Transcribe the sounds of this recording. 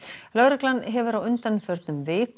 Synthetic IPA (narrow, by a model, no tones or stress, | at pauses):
lœɣɾɪklanɦɛvʏɾawʏnt̪anʏfœɾt̪nʏmvɪːk